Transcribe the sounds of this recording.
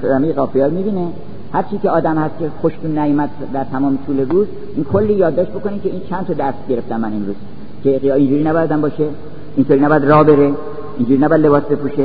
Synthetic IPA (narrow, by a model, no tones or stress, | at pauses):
d̪æmejeɣɒːfejɒːɾmiːbiːne | hæɾt͡ʃʰiːkeɒːd̪æmhæst̪̚kʰexoʃt̪unːæjumæd̪̚ | d̪æɾt̪ʰæmɒːmet̪ʰuːleɾuːz | ʔinkʰolːiːjɒːd̪ːɒːʃt̪̚bo̞ko̞nimcʰeiːnt͡ʃʰænt̪ʰɒːd̪æst̪ɟe̞ɾeft̪ænmæninɾuːz̥ | kʰeɣijɒːind͡ʒuːɾiːnæbɒjæd̪æmbɒːʃe | int̪ʰoːɾiːnæbɔjæd̪rɒːbe̞ɾe | ind͡ʒuːɾiːnæbɔjæd̪le̞bɒːsbe̞puːʃe